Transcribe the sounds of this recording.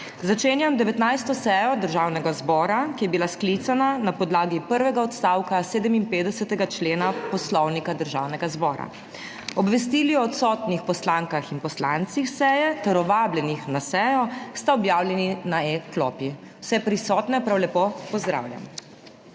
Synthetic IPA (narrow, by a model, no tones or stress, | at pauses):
zat͡ʃeːnjamd̪ɛʋɛt̪najst̪ɔsɛjɔd̪əɾʒaːwnɛɡazbɔːɾakijɛbilasklit̪sananapɔd̪laːɡipəɾʋɛɡaɔt̪st̪aːwkaseːd̪əminpeːd̪ɛsɛt̪ɛɡat͡ʃleːnapɔslɔwnikad̪əɾʒaːwnɛɡazbɔːɾa̰ | ɔbʋɛs̬t̪iːliɔːt̪sɔːt̪nixpɔslaːŋkaxinpɔslant̪sixsɛjɛt̪ɛɾɔʋaːblɛnixnasɛjɔst̪aɔbjaːwlʲjɛninaɛk̪lɔːpi | wsɛpɾisɔːt̪nɛpɾawlɛpopɔzd̪ɾa̰ːwlʲja̰m